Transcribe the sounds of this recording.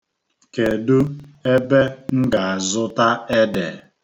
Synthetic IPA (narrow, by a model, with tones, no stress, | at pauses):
ke˨du˦e˦be˦ŋ̩˦ɡa˨a˨zʊ˦ta˦e˦de˨